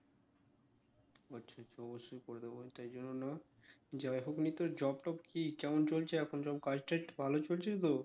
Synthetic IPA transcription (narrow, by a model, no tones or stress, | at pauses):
ʌtːɕʰaɔtːʃʰaɔboʃːojkoɾd̪eot̪ajd͡ʑonːonɔ | d͡ʑaeɦoknit̪oɾd͡ʑɔbʈɔbkikɛmont͡ɕolt͡ɕʰeɛkʰond͡ʑɔb̚kad͡ʑʈabʱalot͡ɕolt͡ɕʰet̪o